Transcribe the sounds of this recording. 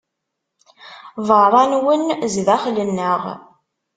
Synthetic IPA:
vəɾˤɑnwənzðæχlənːəʁ

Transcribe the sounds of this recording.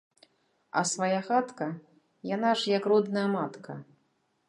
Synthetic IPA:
ɐ̰svajaxat̪kɐ | jan̪aʐjɐkrɔd̪nɐjɐmat̪kʰɐ

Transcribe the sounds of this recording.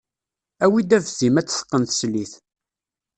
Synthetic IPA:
æwid̪ævzimæt͡sːə̥sqːənt̪sliθ

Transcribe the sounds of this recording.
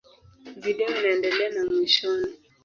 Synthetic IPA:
viɗɛnandɛlɛnamwiʃɔni

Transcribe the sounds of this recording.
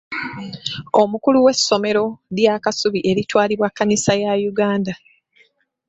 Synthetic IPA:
o̞mukuluwe̞sːo̞me̞ɾo̞ðjakasuβiʔe̞ɾitwaːliβwakːanisajajuɡaːnda

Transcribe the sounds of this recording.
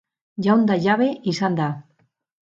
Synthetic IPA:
ʒaund̪aʎaβeʔisand̪a

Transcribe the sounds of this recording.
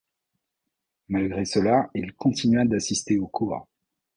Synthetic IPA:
malɡʁesəlailkʰɔ̃t̪ʰinɥad̪asist̪eokʰuʁ

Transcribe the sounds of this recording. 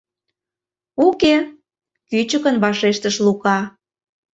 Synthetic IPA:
uke | kyt͡ɕəkənβɑʃeʃt̪əʃlukɑ

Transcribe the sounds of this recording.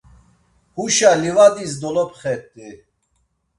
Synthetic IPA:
huʃalivad̪is̬d̪ɔlɔpχɛt̪ʼːi

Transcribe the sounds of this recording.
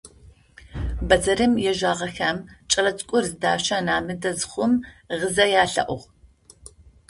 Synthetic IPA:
bɐzɐɾɨmjɛʒaːʁɐxaːmt͡ʃʼɐrɐt͡sʼkʷʼʊrzɨdaːʃaːnaːmɨdɐzχʷʊmʁəzɐjaːɬɐ̰ʔʷʊʁ

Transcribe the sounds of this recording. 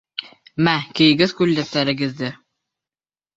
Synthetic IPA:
mækɘ̆jɘ̆ɡɘðkʉlːæt̪ːæɾɘ̆ɡɘ̆ðd̪ɘ

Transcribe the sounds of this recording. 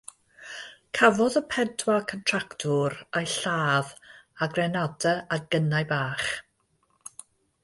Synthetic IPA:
kʰavɔðəpʰɛtʰwakʰəntʰraktʰʊɾajɬaːðaɡrɛnadəaɡ̥ənajbaːχ

